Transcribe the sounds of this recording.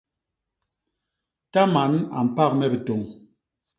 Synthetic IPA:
ta˦ma˨˦na̰˨m̩˨pa˦˨k̚mɛ˦bə˨to˨ŋ

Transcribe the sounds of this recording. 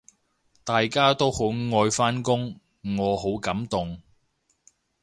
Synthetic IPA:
t̪aː˨jkaː˥t̪o˥who˨˥wŋɔː˧jfaː˥nkʊ˥ŋː | ɔː˨˧ɦo˨˥wkɐ˨˥mt̪ʊ˨ŋ

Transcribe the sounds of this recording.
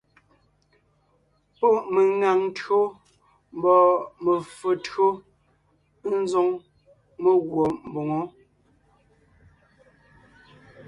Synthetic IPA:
po˦˨ʔme˨ŋa˨ŋn˦tɰo˦ | m̩˦bɔː˨mə˨fə˨tɰo˦ | n̩˦zo˦ŋ | me˦ɣwɔ˨m̩˨bo˨ŋɔ˦

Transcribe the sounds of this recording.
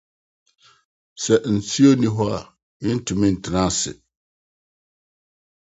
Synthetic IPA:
sɛ˨n̩˨sʰi˦o˦nĩ˦ɦɔ˦a˨ | i˦n̩˦tʰʊ˨mĩ˦n̩˨tʰɪ˨nã˦sɪ̰˨

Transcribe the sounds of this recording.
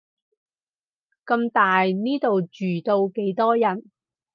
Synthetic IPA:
kɐ˧mt̪aː˨jniː˥t̪o˨wt͡ʃyː˨˩t̪o˧wke˨˥jt̪ɔː˥jɐ˨˩n

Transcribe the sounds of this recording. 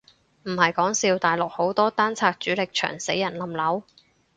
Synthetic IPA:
m̩˨˩hɐ˨jkɔː˨˥ŋsiː˧wt̪aː˨jlʊ˨k̚ho˨˥wt̪ɔː˥t̪aː˥nt͡sʰaː˧k̚t͡ʃyː˨˥lɪ˨k̚t͡ʃʰœ̰ː˨˩ŋse˨˥jːɐ˨˩nlɐ˨mlɐ˨˥w

